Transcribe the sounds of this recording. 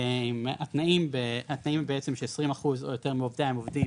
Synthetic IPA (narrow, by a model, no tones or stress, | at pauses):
emat̪naimbehat̪naimbeet͡se̞mʃeesʁimaχuzo̰jote̞ʁmeovd̪aemovd̪i